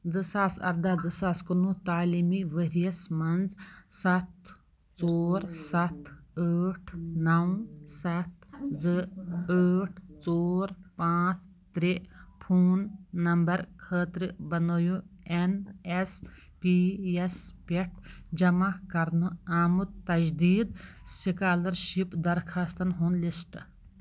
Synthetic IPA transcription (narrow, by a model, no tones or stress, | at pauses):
d͡zɨsaːsɐ̰ɾd̪aːd͡zɨsaːskunut̪aːlimiʋəɾijɐsmɐnd͡zsɐt̪ | t͡soːɾsɐt̪ʰəːʈʰnɐw̃sɐt̪zɨəːʈʰt͡soːɾpãːt͡s | t̪ɾepʰuːnːɐmbɐɾkʰəːt̪ɾɨbɐnojuenes | piespeʈʰd͡ʒɐmakɐɾnuaːmut̪ːɐd͡ʒd̪iːd̪sikaːlɐɾʃipd̪ɐɾkʰaːst̪ɐnɦunlisʈ